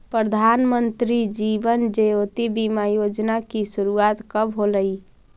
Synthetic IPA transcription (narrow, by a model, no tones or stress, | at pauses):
pɾəd̪ʱanmənt̪ɾid͡ʒibənd͡ʒeot̪ibimajod͡ʒnakisuɾuat̪kəbɦoləi